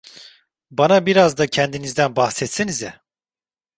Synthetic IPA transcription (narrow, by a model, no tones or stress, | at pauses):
banabiɾazd̪acʰɛnd̪inizd̪ænbahsɛt̪sinizɛ